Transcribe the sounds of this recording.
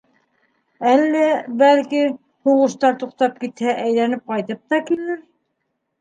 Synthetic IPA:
ælːæbælki | huʁɤ̆ʃt̪ɑɾt̪uqt̪ɑp̚kit̪hæʔæjlænɘp̚qɑjt̪ɤp̚t̪ɑkilɘɾ

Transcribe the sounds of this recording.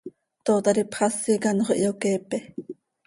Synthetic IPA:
t̪ot̪ɑɾipχɑsikanoχʔḭokepe

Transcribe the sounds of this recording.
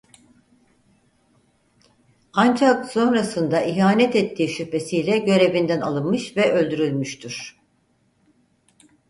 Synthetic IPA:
and͡ʒakso̞nɾasɯnd̪aiɦaːnɛt̪ɛt̪ʰːiːʃype̞sijlʲɛɟø̞ɾe̞vind̪æna̰lˠɯnmɯʃvɛʔø̞lʲd̪yɾylʲmyʃt̪ʰyɾ̥

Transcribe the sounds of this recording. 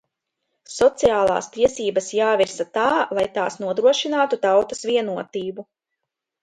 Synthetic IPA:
sɔt̪siaːlˠa̰ːst̪iɛsiːbasjaːviɾsat̪aːlˠajt̪aːsnuɔd̪ɾuɔʃinaːt̪ut̪awt̪asviɛnuɔt̪iːbu

